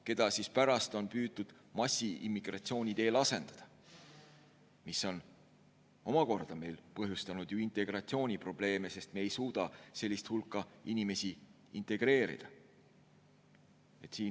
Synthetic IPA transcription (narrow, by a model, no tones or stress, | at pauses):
ke̞d̪̥ɑsispæɾɑst̪o̞npyːt̪ːud̪̥ | mɑsʲːiʔḭmːiɡ̥rɑ̰t̪sio̞ːnʲit̪e̞ːlɑse̞nd̪̥ɑd̪̥ɑ | miso̞n | o̞mɑko̞rd̪̥ɑme̞jlpɤɦjust̪ɑnud̪̥juint̪ˑe̞ɡ̥rɑt̪sio̞ːnʲipro̞b̥le̞ːme̞se̞st̪meːjsuːd̪̥ɑse̞lʲːist̪hulkːˑɑinʲime̞sʲi | int̪ˑe̞ɡ̥re̞ːɾḭd̪̥ɑ | e̞t̪siː